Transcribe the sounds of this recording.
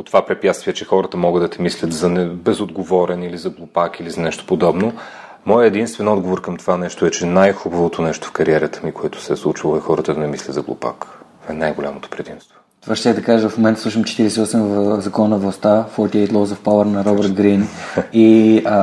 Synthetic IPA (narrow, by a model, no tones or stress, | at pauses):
ot̪ovapɾɛpjat̪st̪viɛt͡ʃɛxɔɾət̪əmɔɡəd̪ɐt̪ɛmislʲət̪zɐnɛbɛzod̪ɡovɔɾɛnilizɐɡlˠʊpakilizɐnɛʃt̪o̥pod̪ɔbno | mɔjəɛd̪inst̪vɛnɔd̪ɡovoɾkɐmt̪ovanɛʃt̪oɛt͡ʃɛnajxubɐvot̪onɛʃt̪o̥fkɐɾiɛɾət̪ə̥mikoɛt̪ʊ̥sɛslˠut͡ʃvəlˠoɛxɔɾət̪əd̪ɐnɛmislʲət̪zɐɡlˠṵpa̰k | ɛnajɡolʲa̰mot̪o̥pɾɛd̪imstt̪vo̥ | t̪vaʃt̪ɛd̪ɐkaʒəvɐfmomɛnt̪əsˠuʃ̬əmt͡ʃɛ̥t̪iɾɛsɛiɔsɛmzɐkɔnnɐvlˠɐst̪afɔt̪iɛt̪lˠɔzofpawəɾnɐɾɔbəɾt̪ɡɾini